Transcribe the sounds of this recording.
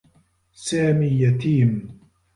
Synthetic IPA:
saːmiːjat̪iːm

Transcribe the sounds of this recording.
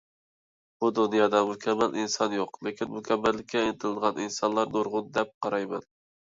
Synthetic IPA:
b̥ud̪unjɑd̪ɑmʊkʲʰɛmːælʔinsɑnjoqlekʲʰinmʊkʲɛmːɛlːɪkʲʰːɛɪnɪt̪ʰɪlɨd̪ʁɑninsɑnlˠɑɾnoɾʁʊnd̪ɛp̚qʰɑɾɑjmɛ̰n

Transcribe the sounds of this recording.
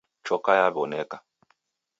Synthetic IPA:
t͡ʃɔkajaβɔnɛka

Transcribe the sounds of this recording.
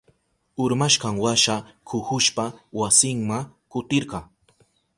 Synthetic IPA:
ʊɾmaʃɢɑŋwaʃakʰʊhʊʃpawasɪŋmakʊt̪ɪɾɢɑŋ

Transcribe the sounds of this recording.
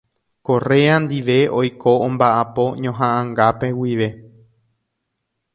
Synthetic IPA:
ko̞re̞and̪iʋe̞ojkʰoõmbaʔapo̞ɲõɦãʔãŋɡape̞wiʋe̞

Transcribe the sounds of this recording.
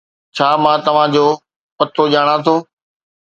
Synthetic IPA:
t͡ɕʰaːmãːt̪ɐʋ̤ãd͡ʑoː | pɐt̪ʰoʄaːɽ̃ãt̪ʰoː

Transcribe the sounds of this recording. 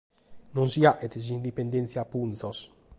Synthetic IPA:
nɔ̃nsiaʔɛt̪ezind̪ipend̪ɛnt̪sjapunsɔs

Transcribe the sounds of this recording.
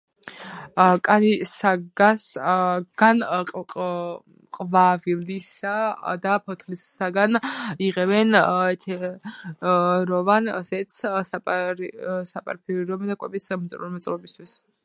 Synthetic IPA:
kʼaɾisaɡasɡ̥anʼ | qʼvavild̪isad̪apʰɔt̪ʰlisaɡaniʁɛbɛnɛt̪ʰɛ | ɾɔvana̰sɛt̪ssapɾsapʼa̰ɾpʰiuɾɔmɛd̪akʼwɛbismt̪sʼɾuɾmɛt̪sʼlɔbist̪ʰwis

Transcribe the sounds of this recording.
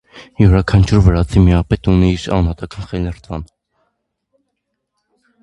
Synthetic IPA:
juɾɑkʰɑnt͡ʃʰuɾvəɾɑt͡sʰimiɑpɛt̪uniːɾɑ̰nɑt̪ɑkʰɑnχɛlnɛrt̪ʰvɑn

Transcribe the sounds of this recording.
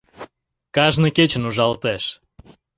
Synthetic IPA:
kɑʒnəket͡ɕənuʒɑlt̪eʃ

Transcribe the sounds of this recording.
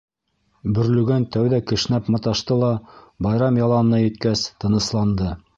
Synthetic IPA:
bɵ̆ɾlɵ̆ɡænt̪æwðækɘ̆ʃ̆næpmɑt̪ɑʃt̪ɤlˠɑbɑjɾɑmjɑlˠɑnɤ̆nɑjɘ̆t̪kæst̪ɤ̆nɤ̆slˠɑnd̪ɤ

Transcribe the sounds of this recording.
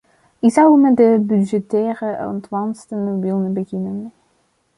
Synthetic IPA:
ɪkzɑwəmɛdəbyʒɛtɛːrəɔ̰ntwɑnstənobɪlˠnəbəɣɪnən

